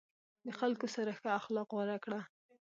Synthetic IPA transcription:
d̪əxalkosaɾaxəaxlɑqɣwaɾakɽa

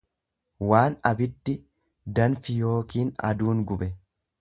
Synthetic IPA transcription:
waːnɐbɪd̪ːɪ | d̪ɐnfɪjo̞ːkiːnɐ̰d̪uːŋɡʊbɛ

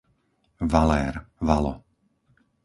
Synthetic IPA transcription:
ʋalɛːɾʋalɔ̰

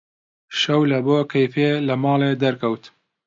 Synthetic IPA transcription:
ʃɐwlɐboːkʰɐjfeːlɐmɑːleːd̪ɐɾkʰɐwt̪

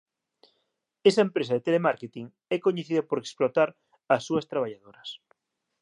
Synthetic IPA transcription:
esɐempɾesɐðet̪elemaɾket̪iŋ | ɛkoɲeθiðɐpoɾeksplot̪aɾ | ɐsːuɐst̪ɾaβ̞aʎaðoɾɐs

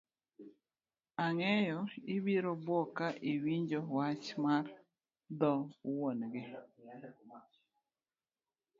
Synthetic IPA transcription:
aŋɛjɔibiɾobwɔkaʔiwiɲd͡ʒowat͡ʃmar | d̪ɔwonɡɪ

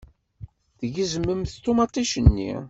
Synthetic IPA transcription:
ðəʝəzəmːəmθt̪omɑt̪ˤːiʃənːḭ

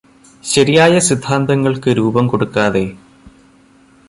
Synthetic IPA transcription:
ɕɐɾijaːjɐsid̪ʱːaːnd̪ɐŋːɐɭkɨɾuːbɐmkoɽukːaːðe̞

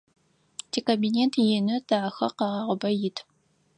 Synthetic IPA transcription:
tʰikɐbineːntʰjɛnɨtʰaːxɐqɑʁɑːʁʷʊbɐjɪtʰ

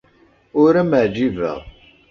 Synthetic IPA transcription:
ʊɾæməʕd͡ʒivæ̰ʁ

